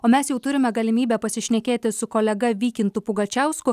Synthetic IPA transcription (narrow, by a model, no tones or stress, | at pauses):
oːmʲɛsjɛʊt̪ʊɾʲɪmʲɛɡɐlʲɪmʲiːbʲɛpɐsʲɪʃʲnʲɛkʲeːt̪ʲɪsʊkoːlʲɛɡɐʋʲiːkʲɪnt̪upʊɡɐt͡ʃʲæˑʊskʊ